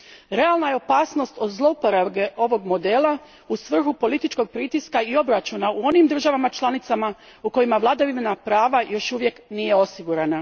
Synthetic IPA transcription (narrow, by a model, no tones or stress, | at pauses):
ɾe̞alˠnajeo̞paːsno̞st̪o̞d̪zlˠo̞upoɾaʋɡe̞ʔo̞ʋo̞ɡmo̞d̪e̞ːlˠa | usʋr̩xupo̞lit̪it͡ʃko̞ɡ̚pɾit̪iskaio̞bɾat͡ʃunauo̞nimd̪r̩ʒaʋamat͡ʃlˠanit̪sama | uko̞jimaʋlˠad̪aʋimnapɾaːʋajʔo̞ʃuʋje̞knije̞o̞siɡuɾana